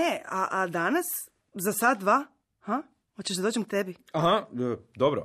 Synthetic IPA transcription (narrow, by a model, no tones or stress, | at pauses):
eaʔad̪anas | zasad̪d̪ʋa | ha | ot͡ɕeʒd̪ad̪od͡ʒemk̚t̪ebi | aɦaəd̪obɾo̰